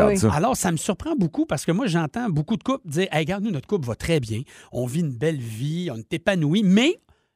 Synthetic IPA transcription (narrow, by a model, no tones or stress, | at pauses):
sa̰lɔːʁsaməsyʁpʁɑ̃bukupaʁsə̥kəmwaʒɑ̃t̪ãbukud̪əkʊp̚dd͡ziːʁʔɛjɡaʁd̪nunɔt̪əkʊpvʌt̪χʁɛbjɛ̃ɔ̃viynbɛlviɔ̃net̪epanuimɛ